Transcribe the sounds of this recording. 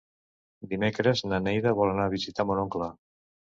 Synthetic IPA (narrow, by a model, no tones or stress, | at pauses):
d̪imekɾəznanejðəβɔlanaβizit̪amonoŋkla